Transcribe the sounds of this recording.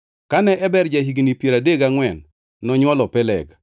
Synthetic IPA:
kanɛʔɛbɛɾd͡ʒaɦiɡnipjeɾadeɡaŋwɛnː | ɔɲwɔlɔpɛlɛ̰ɡ

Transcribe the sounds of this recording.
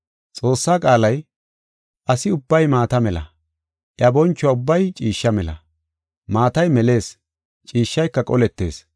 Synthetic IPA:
t͡sʼo̞ːsːaːkʼaːlɐj | ʔɐsɪʊbːɐjmaːt̪ɐmɛlɐ̰ | ʔɪɐbɔnt͡ʃːʊwaʊbːɐjt͡ʃʼiːʃːɐmɛlɐ̰ | maːt̪ɐjmɛle̞ːs | t͡ʃʼiːʃːɐjkːɐkʼɔlɛt̪ːe̞ːs

